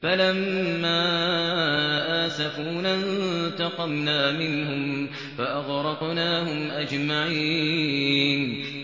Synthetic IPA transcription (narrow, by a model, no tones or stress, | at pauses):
falamːaː | ʔaːsafuːnant̪ɑqɑmnaːmɪnɦʊm | faʔaɣɾɑqnaːhʊmʔad͡ʒmaʕi | n